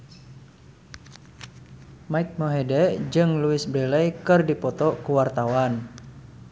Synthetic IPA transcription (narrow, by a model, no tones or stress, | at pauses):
maik̚moɦedɛd͡ʒɨŋluɪsbɾɛlɛjkɨrdipɔt̪ɔkuwart̪awan